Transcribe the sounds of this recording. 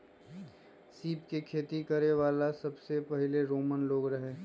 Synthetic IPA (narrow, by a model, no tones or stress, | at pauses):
siːpkekʰeːt̪ikɐɾeʋaːlasɐbsepɛɦɪleɾoːmənloːɡɾɐɦeː